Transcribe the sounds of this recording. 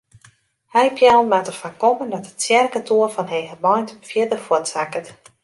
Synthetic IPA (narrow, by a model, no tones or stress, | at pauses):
hɛjpjalˠmatəfakɔməndɔtətsjɛrkətʰuərfɔnɦejɦəmɔjntfjɪdəfuənsakət